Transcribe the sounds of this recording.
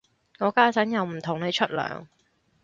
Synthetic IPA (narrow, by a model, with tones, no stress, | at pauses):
ŋɔː˨˧kaː˥t͡sɐ˨˥njɐ˨˧wm̩˨˩t̪ʰʊ˨˩ŋne˨˧jt͡ʃʰɵ˥t̚lœ̰ː˨ŋ